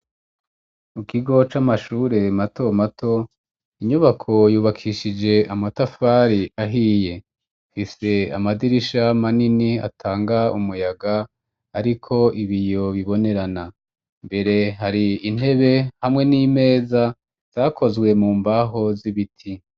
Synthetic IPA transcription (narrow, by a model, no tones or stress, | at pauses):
mukʰiɡo̞t͡ʃamaʃuːɾe̞mato̞matʰo̞ | iɲuβakʰo̞juːβakʰiʃid͡ʒe̞amatafaːɾiʔaɦiːje̞ | fise̞a̰madiɾiʃamaninia̰tʰaːŋɡaumujaɡa | aɾikʰo̞ʔiβijo̞βiβo̞ne̞ɾana | mbe̞ɾe̞ɦaɾiːn̥he̞βe̞hamŋe̞niːme̞ːza | z̥aːkʰo̞zɡwe̞muːmbaɦo̞ziβitʰi